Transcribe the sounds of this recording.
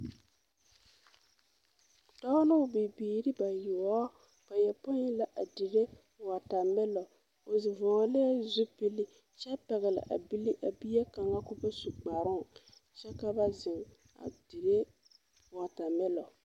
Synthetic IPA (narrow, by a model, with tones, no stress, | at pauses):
dɔ˦lʊ˦˨bi˨biː˨ɾi˦ba˨jʊ˨ɔ˦ | ba˨jɛ˨pʊ˦la˨ʔa˨di˨ɾe˦ | wa˨ta˨mɪ˦lɔ˨ | o˨zɪ˨vɔː˨˦lɪ˦a˦zu˦pi˦li˦ | t͡ʃɛ˦pɛ˨ɣɛ˨lɪ̰˨ʔa̰˨bi˦li˦ʔa˨bi˦a˦ka˨ŋa˦kʊ˦ba˦su˨k͡pa˨ɾʊ˦˨ŋ˨ | t͡ʃɛ˦ka˦ba˦zɪ˨ŋ | a̰˨di˨ɾe˦ | wa˨ta˨mɪ˦lɔ˨